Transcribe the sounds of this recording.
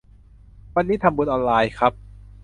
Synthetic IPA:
wa˧nːiː˦˥t̪ʰa˧mbu˧˩ʔɔː˧nlaː˧jkʰɾa˦˥p̚

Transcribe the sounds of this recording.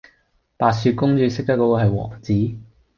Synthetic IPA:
paː˨˧tsyː˧t̚kʊ˥ŋt͡ʃyː˨˧sɪ˥k̚t̪ɐ˥kːo˧˥˧ɦɐ˨jwɔ̰ː˨˩ŋt͡siː˨˥

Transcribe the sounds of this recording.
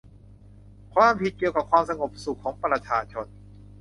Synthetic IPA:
kʰwaː˧mpʰi˨˩t̪̚ki˨˩əka˨˩p̚kʰwaː˧msa˧ŋo˨˩p̚su˨˩kʰːɔː˩˦ŋpɾa˧t͡ɕʰaː˧t͡ɕʰo˧n

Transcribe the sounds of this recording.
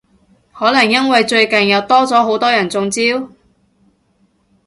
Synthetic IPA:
hɔː˨˥lɐ˨˩ŋjɐ˥nwɐ˨jt͡ʃɵ˧ɥkɐ˨˩njɐ˨˧wt̪ɔː˥t͡sɔː˨˥ɦo˨˥wt̪ɔː˥jɐ˨˩nt͡sʊ˧ŋt͡siː˥w

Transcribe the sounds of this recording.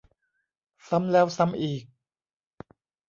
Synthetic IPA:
sa˦˥mlɛː˦˥wsa˦˥mʔiː˨˩k̚

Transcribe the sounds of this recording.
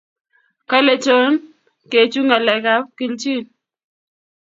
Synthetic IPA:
ka˦le˨t͡ʃo˦n | ke˨t͡ʃu˦ŋa˨lɛ˨ka˦p̚ki˨lt͡ʃi˦n

